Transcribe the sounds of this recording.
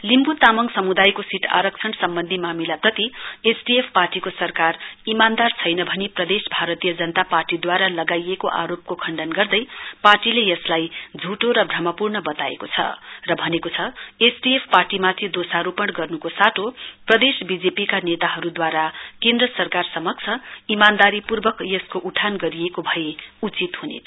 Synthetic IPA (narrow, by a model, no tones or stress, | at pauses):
limbut̪amʌŋsʌmud̪ajkosiʈʰa̰ɾʌk̚t͡sʰʌnsʌmbʌnd̪ʱimamilaprʌt̪iesɖiepʰparʈikosʌrkarimand̪art͡sʰʌjnʌbʱʌniprʌd̪esbʱaɾʌt̪ijʌd͡zʌnʌt̪aparʈid̪waɾalʌɡajekoʔa̰ɾop̚kokʰʌɳɖʌnɡʌrd̪ʌjparʈilejʌslajd͡zʱuʈoɾʌbʱrʌmʌpurnʌbʌt̪aḛkot͡sʰʌ̰rʌbʱʌnekot͡sʰʌesɖiepʰparʈimat̪ʰid̪osaɾupʌɳɽɡʌrnukosaʈʰoprʌd̪esbid͡zepikanet̪aɦʌɾud̪waɾakend̪rʌsʌrkarsʌmʌk̚t͡sʰʌimand̪aɾipurbʌkjʌskoʔuʈʰanɡʌɾijekobʱʌjeut͡sit̪ɦunḛ